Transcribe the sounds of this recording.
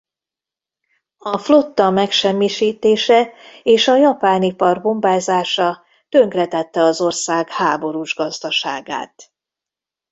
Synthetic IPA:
ɒflo̞t̪ːɒmɛkʃɛmːiʃiːt̪eːʃɛeːʃɒjɒpaːnipɒrbo̞mbaːzaːʃɒ | t̪ø̞ŋkrɛt̪ɛt̪ːɛɒzo̞rsaːɡhaːbo̞ɾuːʒɡɒzd̪ɒʃaːɡa̰ːt̪

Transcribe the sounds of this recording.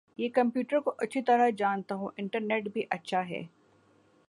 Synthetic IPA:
jeːkɐ̃mpjuːʈəɾkoʔɐtːʃʰit̪ɐɾad͡ʒaːnt̪aɦũʔɪ̃ɳʈəɾneːʈbʱiʔɐtːʃʰaɦɛ̰ː

